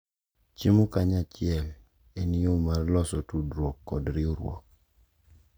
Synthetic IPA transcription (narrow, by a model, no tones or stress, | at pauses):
t͡ʃimukaɲat͡ʃɪɛl | eniomaɾlɔsɔtudɾɔkːɔdɾɪoɾwɔ̰k̚